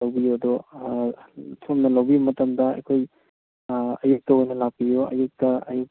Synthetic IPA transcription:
lɐwbijoɐdo | tʰomnɐlawbijumɐtɐmdɐɐ̰jkʰoj | ɐjuk̚tɐojnɐlak̚pijoɐ̰juk̚tɐɐjuk̚

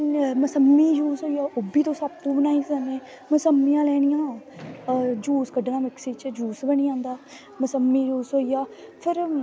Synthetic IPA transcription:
məsəmːiːd͡ʒuːsɦoːijaːʔʊbiːt̪õːsəb̚t̪ũːbənaːiːsəneː | məsəmːijãːlɛːɽ̃ĩjãː | d͡ʒuːskəɖnãːmɪksiːt͡ʃd͡ʒuːsbəñiːãːnd̪aː | məsəmːiːd͡ʒuːsɦoːijaːpʰɪɾ

